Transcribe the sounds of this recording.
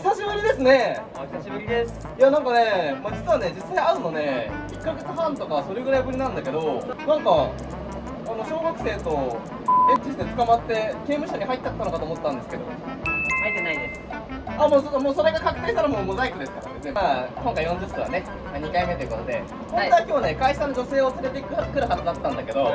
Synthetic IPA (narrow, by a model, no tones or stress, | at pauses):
saɕiβɯɾʲid̪e̞sɨne̞ | saɕibɯɾʲies | janãŋkane̞maːd͡ʑit͡sɨβane̞d͡ʑisːaiaɾɯ̟no̞ne̞ikːaɡe̞t͡sɨɦãnt̪o̞kasoɾeɡɯ̟ɾaibɯ̟ɾʲinãnd̪ake̞d̪o̞nãŋka | ano̞ɕo̞ːɡakɯ̟̥se̞ːt̪o̞ | ɡẽ̞ɲt͡ɕiɕi̥t̪e̞t͡sɨ̥kamat̪ːe̞ke̞ːmɯ̟ɕaɲ̟iɦait̪ːt͡ɕat̪ːano̞kat̪oːmot̪ːãnd̪e̞sɨ̥ke̞d̪o̞̰ | hait̪enaid̪es | amoːsot̪ːmoːso̞ɾe̞ɡakakɯ̟̥t̪e̞ːɕt̪anomomozaikʲid̪e̞sɨ̥t̪ak̪ːeeakõ̞ŋkaijõɲd͡ʑɯsɯβa̰ne̞ | aɲikaime̞t̪o̞jɯ̟ko̞t̪o̞d̪e̞ | konzakʲiβane̞kaiano̞d͡ʑo̞se̞ːosɨɾet̪ekkɯ̟ɾɯ̟ɦad̪od̪at̪ːãnd̪ake̞d̪o̞